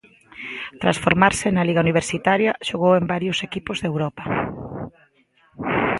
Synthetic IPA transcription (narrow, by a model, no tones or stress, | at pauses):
t̪ɾasfoɾmaɾsɪnaliɣauniβ̞eɾsit̪aɾjɐʃoɣowembaɾjʊsekipʊzðewɾɔpɐ